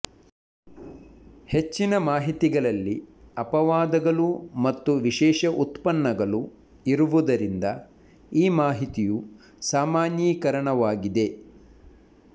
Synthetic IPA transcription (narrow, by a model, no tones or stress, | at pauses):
het͡ʃːinɐmaːɦit̪iɡɐɭɐlːiɐpɐʋaːd̪ɐɡɐɭumɐt̪ːuʋiʃɛːʃɐʔut̪pɐnːɐɡɐɭu | iɾuʋud̪ɐɾind̪ɐ | iːmaːɦit̪iju | saːmaːnjiːkɐɾɐɳɐʋaːɡid̪e̞